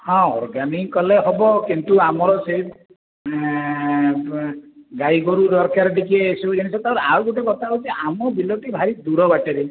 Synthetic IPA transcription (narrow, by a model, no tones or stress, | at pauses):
hɔ̃ɔ̰ɾɡanikɔleɦɔbɔkint̪uamɔɾɔsep | ɡajɡɔɾuɾɔɾkaɾɖikieːsuɾenisɔt̪aɾawɡuʈekɔt̪ʰaɔd͡ʒiʔamɔbiloʈibʱaɾid̪uɾɔbaʈeɾe